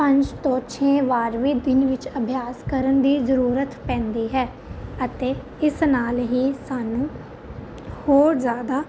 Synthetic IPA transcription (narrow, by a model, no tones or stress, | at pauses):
pə̃ɲd͡ʒt̪õːt͡ʃʰẽːʋaːɾʋiːd̪ɪnʋɪt͡ʃəbʱjaːskəɾənd̪iːzəɾuːɾət̪pɛ̃ːnd̪iːɦɛː | ət̪eː | ɪsnaːlɦiːsaːnũː | hoːɾzjaːd̪aː